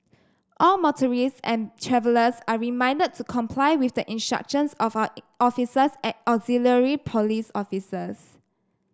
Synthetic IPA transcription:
ʔɔlmɔtʰəɹisɛ̰̃ntʰɹɛvələsaɹimãɪ̃ndəd̚tʰːukʰɔ̃mpʰlaɪwifdəʔĩnstɹa̰k̚ʃə̃nsɔfʔɔfisəsɛ̃nɔkziləɹipʰɔlisɔfisəs

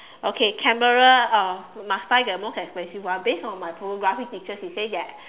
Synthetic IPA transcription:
ʔokʰekʰɛ̃məɹəɔmastaɪɡəmɔkɛksplɛ̃sifwãbesɔ̃nmajponoɡɹafik̚tik̚t͡ʃəsisedɛt̚

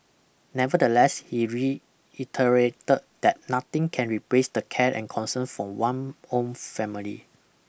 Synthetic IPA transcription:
nɛvədəlɛshiɹi | itʰəɹetət̚d̪̥ɛt̚nat̪ɪ̃ŋkʰɛ̃nɹiplesdəkʰɛtɛ̰̃nkʰɔ̃nsə̃nfɹɔ̃wãnõnfɛmilḭ

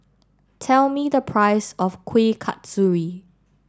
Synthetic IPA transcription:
tʰɛlmidəpʰɹaɪsɔfkʰwekʰa̰tsuɹi

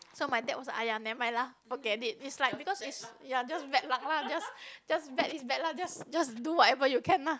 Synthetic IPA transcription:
somajdɛt̚wɔsa̰janɛ̃majlahfɔɡɛtit̚itslajk̚bikɔsitsjad͡ʒasbɛt̚lãŋlad͡ʒasd͡ʒasbɛtisbɛt̚lad͡ʒasd͡ʒasduwɔtɛvəjukʰɛ̃nla

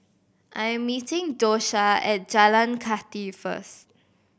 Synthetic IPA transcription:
ʔãjɛ̃mːitɪ̃ŋdoʃaɛ̰t̚d͡ʒalãnkʰatifə̰st

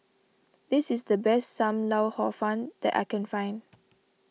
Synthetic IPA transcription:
d̥isisdəbɛstsãmlawhɔfãnd̪̥ɛ̰ta̰ɪkɛ̃nfãjn

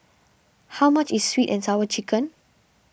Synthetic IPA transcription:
hawmat͡ʃisːwitɛ̃nsawət͡ʃikə̃n

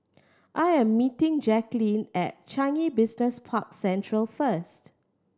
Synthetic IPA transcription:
ʔajɛ̃mːitɪ̃ŋd͡ʒɛklĩnɛ̰t̚t͡ʃãnibɪsnəspʰak̚sɛ̃ntʰɹəlfəst

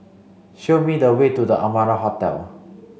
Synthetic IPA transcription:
ʃomidəwetudəʔamaɹaɦɔtɛ̰l

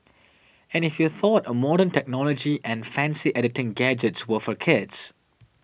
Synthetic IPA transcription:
ɛ̃nɪfjuθɔtəmɔɾə̃ntɛk̚nɔlɔd͡ʒiʔɛ̃nfæ̃nsiʔɛɾɪtɪ̃ŋɡæd͡ʒətswəfɔkʰɪds

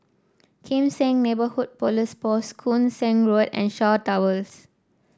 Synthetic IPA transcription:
kʰĩmsɛ̃ŋnebəhud̚polispɔskʰũnsɛ̃ŋɹodɛ̰̃nʃatawəls

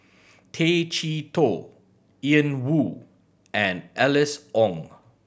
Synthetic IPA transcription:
tʰet͡ʃitʰo | iə̃nwu | ɛ̃nɛlɪsʔɔ̃ŋ

